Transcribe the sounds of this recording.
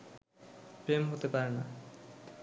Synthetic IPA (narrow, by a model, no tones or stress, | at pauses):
pɾemɦot̪epaɾena